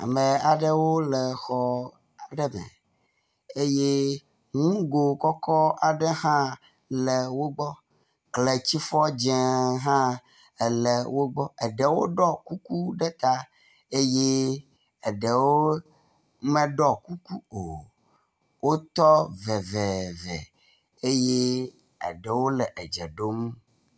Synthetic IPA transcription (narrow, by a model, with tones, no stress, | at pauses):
a̰˨mẽ˨a˨ɖə˦wo˦lɛ˨xɔ˨ | a˨ɖɛ˦mɛ̰˨ | e˦je˦ | ŋ̃ũ˦ɡo˨kɔ˦kɔ˦a˨ɖe˦hã˦ | lɛ˨wo˦ɡ͡bɔ˦ | kle˨t͡ɕi˦fɔ˦d͡ʒɛ˨ɦã˦ | ɛ˨lɛ˨wo˦ɡ͡bɔ˦ɛ˨ɖe˨wo˦ɖɔ˦ku˦ku˦ɖɛ˦t̪a˦ | e˦je˦ | ɛ˨ɖə˨wo˦ | mɛ̃˦ɖɔ˦ku˦ku˦o˨ | wo˦t̪ɔ˦vɛ˨vɛ˨vɛ̰˨ | e˦je˦ | ə̰˨ɖə˨wo˦lɛ˨ʔɛ˨d͡ʒɛ̰˨ɖo˦m